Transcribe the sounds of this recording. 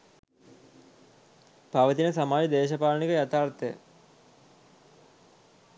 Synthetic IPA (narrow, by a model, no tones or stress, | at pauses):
paʋət̪inəsamaːjid̪eːʃɐpaːlnikəjat̪aːrt̪əjə̰